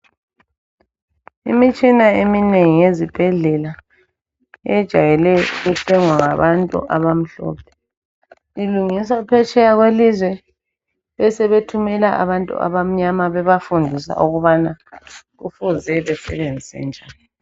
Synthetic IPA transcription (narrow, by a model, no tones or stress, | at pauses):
ḭmit͡ʃʼinaemineŋijezib̥ʱɛɮɛla | ɛd̥ʒ̥ʱajɛlɛɣutʰɛŋwaŋaβantʼṵʔaβam̩ɬɔ̰ːpʰɛ̥ | iluŋisapʰɛt͡ʃʰʼɛjaɣwelizwɛ | ɛsɛβetʰumɛlaʔa̰βantʼṵʔa̰βam̩ɲamaβɛβafundʱisa̰ʔuɣuβana | ɣufuzɛβɛsɛβend͡zʱisɛ̰nd͡ʒʱaːni